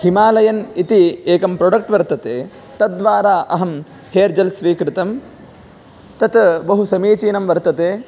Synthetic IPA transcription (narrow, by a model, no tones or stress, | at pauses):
himaːlɐjɐnit̪ieːkɐmpɾoɖɐk̚ʈʋɐɾt̪ɐt̪eː | t̪ɐt̪̚d̪ʋaːɾaːʔɐɦɐm | heːɾd͡ʒɐlsʋiːkɾɪt̪ɐm | t̪ɐt̪bɐɦusɐmiːt͡ʃiːnɐmʋɐɾt̪ɐt̪eː